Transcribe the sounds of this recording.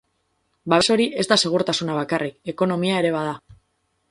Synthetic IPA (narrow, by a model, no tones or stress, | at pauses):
baβe̞so̞ɾiʔe̞zd̪ase̞ɣ̞uɾt̪asunaβ̞akarike̞ko̞no̞miae̞ɾe̞β̞að̞a